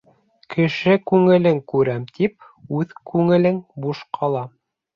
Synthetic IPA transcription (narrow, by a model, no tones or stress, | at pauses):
kʰɘ̆ʃɘkʉŋɘ̆lɘŋkʉɾæmt̪ʰip̚ | ʉðkʉŋɘ̆lɘŋbuʃqʰɑlˠɑ